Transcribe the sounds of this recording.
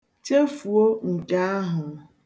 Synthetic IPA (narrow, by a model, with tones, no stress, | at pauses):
t͡ʃe˦fu˨o˦ŋ̩˨ka˦a˦ɦʊ˨